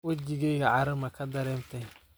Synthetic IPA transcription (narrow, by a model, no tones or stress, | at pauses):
wod͡ʒiɡeɡaaɾɨmakadaɾɛmtɛ